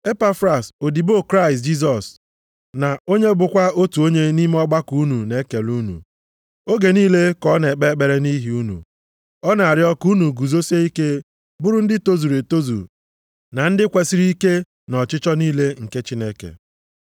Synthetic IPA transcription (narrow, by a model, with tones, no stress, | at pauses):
e˦pa˦fɾa˨so˨di˨bo˦˨kɾa˦ɪ˨st̬̚d͡ʒi˦s̬ɔ˨s | na˨o˦ɲe˦bʊ˨kʷa˦o˦tu˨o˦ɲe˦ni˦me˦ɔ˦ɡ͡ba˦ku˨˦nu˨ne˦ke˨lu˦nṵ˨ | o˦ɡe˨niː˦le˦kɔ˦ne˨k͡pe˦k͡pe˨ɾe˦ni˦ɦi˨˦u˦nṵ˨ | ɔ˦na˨a˨ɾɪ˦ɔ˦ku˦nu˨ɡu˨zo˦se˦i˦ke˦ | bʊ˦ɾʊ˦n̩˦dɪ˦to˦zu˨ɾe˨to˦zṵ˨ | na˨n̩˦dɪ˦kʷe˨si˦ɾi˦ke˦ | nɔ˨t͡ʃɪ˦t͡ʃɔ˦niː˦le˦ŋ̩˨ke˦t͡ʃi˦ne˦kḛ˨